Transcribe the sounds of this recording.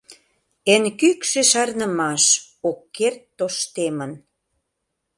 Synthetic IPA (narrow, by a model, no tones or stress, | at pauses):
enkykʃĕʃɑrnəmɑʃ | okːert̪ːoʃt̪emən